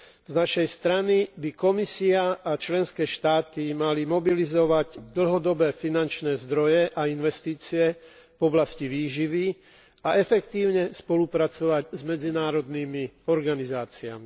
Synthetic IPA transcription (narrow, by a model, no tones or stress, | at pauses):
znaʃɛjst̪ɾanibikɔmisiaʔat͡ʃlɛnskɛːʃt̪aːt̪imalimɔbilizɔʋaɟd̪l̩ɦɔd̪ɔbɛːfinant͡ʃnɛːzd̪ɾɔjɛʔainʋɛst̪iːt͡siɛ | vɔblasciʋiːʒiʋi | aɛfɛkt̪iːʊɲɛspɔlupɾat͡sɔʋaɟzmɛd͡zinaːɾɔd̪niːmiɔɾɡanizaːt͡siami